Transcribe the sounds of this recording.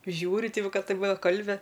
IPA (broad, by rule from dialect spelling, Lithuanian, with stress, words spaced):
ˈʒʲuːrʲɪ ˈtʲɪ ˈʋɐ ˈkɐ ˈtɐɪp ˈʋɐ ˈkɐlʲbʲɪ